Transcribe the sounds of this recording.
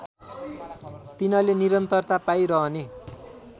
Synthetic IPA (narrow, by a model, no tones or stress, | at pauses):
t̪inʌleniɾʌnt̪ʌrt̪apajɾʌɦʌne